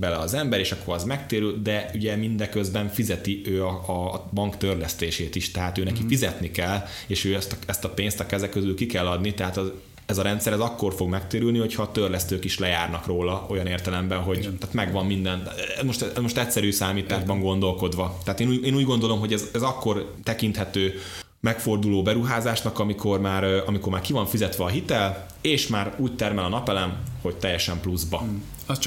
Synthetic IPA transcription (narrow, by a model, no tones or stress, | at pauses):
bɛlɛɒzɛmbɛɾeːʃɒkːo̞ɾɒzmɛkt̪eːɾyld̪ɛyɟɛmind̪ɛkøzbɛɱfizɛt̪iøːɒɒbɒŋkt̪ørlɛst̪eːʃeːt̪iʃt̪ɛɦaːt̪øːnɛkifizɛt̪nikɛlː | eːʃøːɛst̪ɛst̪ɒpeːnst̪ɒkɛzɛkːøzylkikɛlːɒd̪nit̪ɛɦaːt̪ɛ | ɛzɒɾɛnt̪sɛɾɛzɒkːo̞rfo̞ɡmɛkt̪eːɾylniho̞chɒːt̪ørlɛst̪øːkiʃlɛjaːrnɒkroːlɒo̞jɒneːrt̪ɛlɛmbɛnɦo̞ɟt̪aːt̪mɛɡʋɒmːind̪ɛnɛzmo̞ʃt̪ɛɛzmo̞ʃt̪ɛcʲsɛɾyːsaːmiːt̪aːʒbɒŋɡo̞nd̪o̞lko̞d̪ʋɒt̪ɛaːt̪eːnuːeːnuːɟɡo̞nd̪o̞lo̞mɦo̞ɟɛzɛzɒkːo̞rt̪ɛkint̪hɛt̪øː | mɛkfo̞rd̪uloːbɛɾuɦaːzaːʃnɒkɒmikʰo̞rmaːɾɒmiko̞rmaːrkivɒɱfizɛt̪ʋɛɒɦit̪ɛl | eːʃmaːɾuːc̚t̪ɛrmɛlɒnɒpɛlɛnho̞ɟ̚t̪ɛjːɛʃɛmpluzbɒ | t͡ʃ